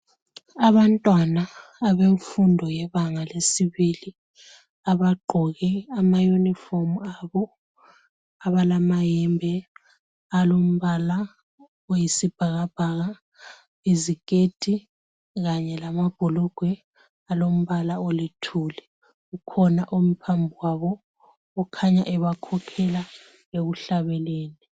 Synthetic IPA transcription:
aβantʼwanaːβeufundʱɔjɛβaŋalesiβili | aβaɡ͡ǃʱɔɣɛamajunifomaβɔ | aβalamajɛmbʱɛ | alom̩βala | ojisib̥ʱaɣab̥ʱaɣa | ezikʼed̥ʱi | ɣaɲɛlamab̥ʱɔlɔɡ̥ʱwɛ | alom̩βalaolitʰuːlɛ | ɣukʰɔnaʔum̩pʰambʱuwaβɔː | kʰaɲa̰ʔɛβakʰɔkʰɛla | eɣuɬaβɛleːni

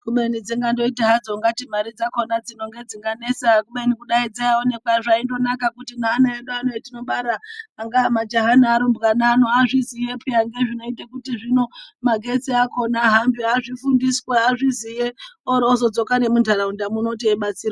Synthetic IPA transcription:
kuɓenid͡zeŋɡando̞iteɦad͡zoŋɡatimaɾid͡zakonad͡zino̞ŋɡe̞d͡ziŋɡanesaakuɓenikuɗaid͡zaaone̞kwaʐaindo̞nakakutinaːnaeɗuanoetino̞ɓaɾaːŋɡaamad͡ʒaɦanaːɾombɣanaːnoaʐizijepʰijaŋɡe̞ʐino̞itakutiʐino̞maɡʱe̞t͡siakonaɦambiaʐifundisweaʐizijeoɾosod͡zo̞kane̞mundʱalaundamuno̞t̬ieɓasiːɾa

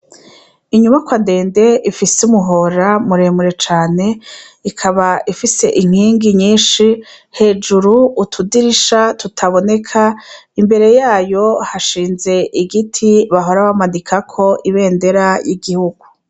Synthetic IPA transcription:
iɲumakwande̞ːnde̞ifisumuɦo̞ɾamuɾe̞muɾe̞t͡ʃaːne̞ | ikʰaβaifise̞ʔiŋ̥iːŋɡiɲiːnʃihe̞ːd͡ʒuɾuutʰudiɾiʃatutʰaβo̞ne̞kʰaimbe̞ɾe̞jaːjo̞haʃiːnze̞ʔiɡitʰiβaɦo̞ɾaβamanikʰakʰo̞ʔiβe̞ːnde̞ɾajiɡihuɡu

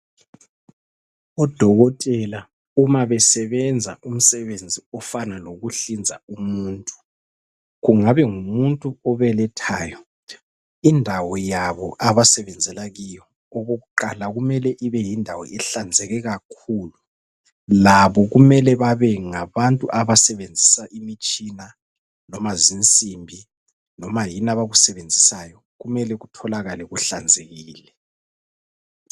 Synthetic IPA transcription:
ɔd̥ʱɔɣɔtʼɛla | umaβɛsɛβɛnd͡zʱa̰ʔum̩sɛβend͡zʱiɔfanaloɣuɬind͡zʱaumuːntʼu̥ | ɣuŋaβɛŋumuntʼuɔβɛlɛtʰaːjɔ | indʱawɔjaβɔʔaβasɛβɛnd͡zʱɛlaɣijɔ | oɣuɣuǃalaɣumɛlɛʔiβɛjindʱawɔ̰ɛɬand͡zʱɛɣɛɣakʰuːlu | laβɔɣumɛlɛβaβɛŋaβantʼuʔaβasɛβend͡zʱisaʔimit͡ʃʼina | nɔmazint͡sʼimbʱi | nɔmajinaβaɣusɛβend͡zʱisajɔ | ɣumɛlɛɣutʰɔlaɣalɛɣuɬand͡zʱeɣiːlɛ

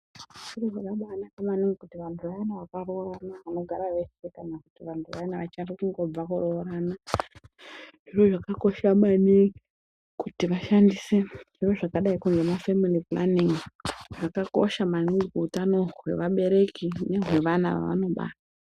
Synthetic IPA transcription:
ʐiroʐakaɓaːnakamaniŋɡekutiʋantʰuʋainaʋakaro̞ranaʋano̞ɡʱaɾaʋe̞se̞kanakutiʋantʰuʋainaʋat͡ʃanrikuŋɡo̞b͡vakuro̞ːɾana | ʐ̥iroʐakako̞ʃamani | kutiʋaʃandise̞ʐiro̞ʐakaɗaikuŋɡe̞mafemilipla̰niŋʐakako̞̰ʃamaniŋɡuutano̞ɦwe̞̰ʋaɓe̞ɾe̞kine̞ɦwe̞ʋana̰ʋa̰ʋa̰no̞ɓa̰ːta

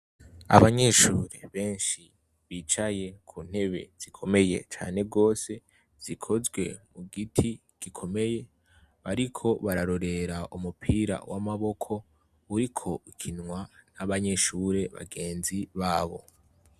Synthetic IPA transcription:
a̰βaɲe̞ʃuːɾe̞̰βe̞ːnʃi | βiːt͡ʃaje̞kʰun̥he̞βe̞̰z̥ikʰo̞me̞je̞̰t͡ʃa̰ːne̞bɡo̞ːse̞ | z̥ikʰo̞zɡwe̞muɡitʰi | ɡ̥ikʰo̞me̞je̞ | βaɾikʰo̞βaɾaɾo̞ɾe̞ɾaʔumupʰiːɾa̰wʔa̰maβo̞kʰo̞ | uɾikʰo̞ikʰinŋwanaβaɲe̞ʃuːɾe̞βa̰ɡe̞ːnziβaːβo̞̰

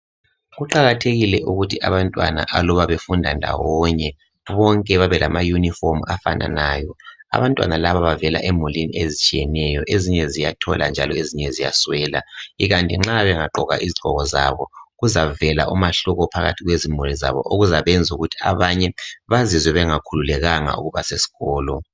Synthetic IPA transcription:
ɣuǃaɣatʰeɣilɛʔuɣutʰiʔaβantʼwa̰na̰ʔalɔβaβefundʱandʱa̰wɔɲɛ | βɔŋkʼɛβaβɛlamajunifɔmafa̰na̰naːjɔa̰βantʼwa̰nalaβaβavɛla̰ʔɛmulinḭezit͡ʃʼijɛnɛjɔʔeziɲɛzijatʰɔ̰lʔa̰nd͡ʒʱalɔeziɲɛzija̰swɛːla̰iɣantʼiŋ͡ǁaβɛŋaǃɔɣa̰ʔiziɡ͡ǃʱɔɣɔza̰βɔɣuzavɛla̰ʔumaɬɔɣɔpʰaɣa̰tʰiɣwezimuliza̰βɔ̰ʔoɣuzaβɛnd͡zʱuɣutʰi̥aβaɲɛβazizwɛβɛŋakʰululɛɣaŋa̰ṵɣuβasesi̥ɣɔːlɔ

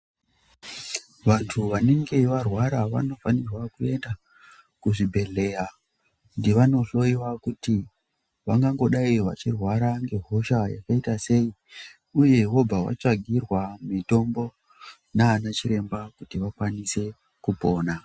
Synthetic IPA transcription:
ʋantʰuʋane̞ŋɡe̞ʋarwaɾaʋa̰no̞fanirwakue̞nda | kuʐibʱe̞ɮe̞ja | ndeʋano̞ɬo̞iwakuti | ʋaŋɡaŋɡo̞ɗaiʋa̰t͡ʃirwaɾaŋɡe̞ɦo̞ʃaja̰kaitase̞i | uje̞ɦo̞bʱawa̰t͡ʂaɡʱirwamito̞mbo̞ | naːnat͡ʃiɾe̞mbakutiʋakwanise̞ | kupo̞ːna

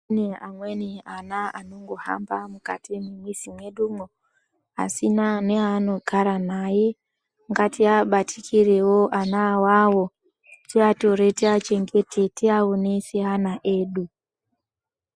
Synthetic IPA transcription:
neamweneanaa̰noŋɡoha̰mbamuka̰timimwisimweɗumo | a̰sinaneano̞kaɾanaje | ŋɡatiaɓatʰikiɾewoʔanawawo | tiato̞ɾeteat͡ʃeŋɡetʰeteawonesianaʔeːɗu

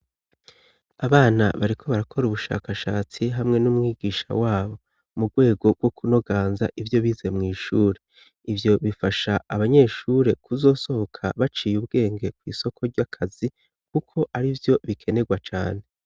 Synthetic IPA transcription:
aβaːna̰βaɾikʰo̞βaɾakʰo̞ɾuβuʃa̰ːkaʃaːt͡siɦamŋe̞numŋiːɡiːʃa̰waːβo̞ | muɡwe̞ːɡo̞ɡwo̞kuno̞ɡaːnza̰ʔivjo̞βiːzemŋiːʃuːɾe̞ | ivjo̞βifaʃaaβaɲe̞ʃuɾe̞kuzo̞ːso̞ho̞kʰa̰βat͡ʃijubɡe̞ːŋɡe̞kwiːso̞kʰo̞ɾɟakʰazi | kukʰo̞ʔaɾivjo̞βikʰe̞ne̞ɡwat͡ʃa̰ːne̞

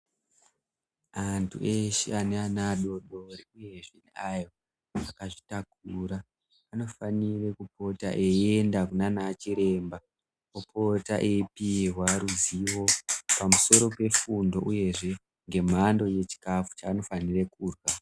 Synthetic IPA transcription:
antʰṵʔeʃḛaneanaɗo̞ɗo̞ɾiuje̞ʐeneajo̞ | akaʐitak̚uɾaː | no̞fanirekup̚o̞ta̰ʔeiendakunanat͡ʃiɾe̞mba | opo̞ta̰ʔeipirwaɾuziwo̞pamuso̞ɾo̞pe̞fundo̞ʔuje̞ʐe̞ | ŋɡe̞m̤ando̞je̞t͡ʃi̥kafu̥t͡ʃaːno̞fanirekuːrwa

